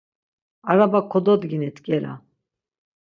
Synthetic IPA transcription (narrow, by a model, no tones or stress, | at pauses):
aɾabakʰɔd̪ɔd̪ɡinɛt̪kʼɛɾa̰